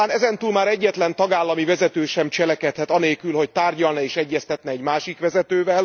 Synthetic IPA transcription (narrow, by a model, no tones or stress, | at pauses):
aːnɛzɛnt̪uːlmaːɾɛɟːɛt̪lɛnt̪ɒɡaːlːɒmivɛzɛt̪øːʃɛmt͡ʃɛlɛkɛt̪hɛt̪ɒneːlkylɦo̞ct̪aːrɟɒlnɒeːʃɛɟːɛst̪ɛt̪nɛɛɟmaːʃikʋɛzɛt̪øːvɛl